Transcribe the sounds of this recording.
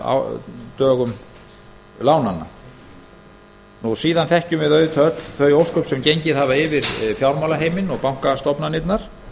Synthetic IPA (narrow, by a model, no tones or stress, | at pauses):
a̰t̪œːɣʏm | laːwnanːa̰ | nusiːðanθɛhcʏmvɪðœːɥðʏt̪ʰœt̪lθœɥjowskœpsɛmcejɲcɪðhavaɪvɪɾfjawɾmawlaɦeːjmɪnɔɣpawŋ̥kast̪ɔpnanɪt̪naɾ̥